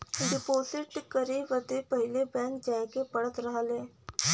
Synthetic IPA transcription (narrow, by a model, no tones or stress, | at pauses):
ɖɪposɪʈkəɾeʋəd̪epəɦilebɛ̃ŋk̚d͡ʒajkepəɽət̪ɾəɦle